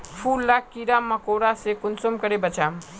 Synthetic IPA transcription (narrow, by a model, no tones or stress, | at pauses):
pʰuːlːaːkːiːɾaːmːɐkoːɽasekʊnsʊmkəɾebɐt͡ʃaːm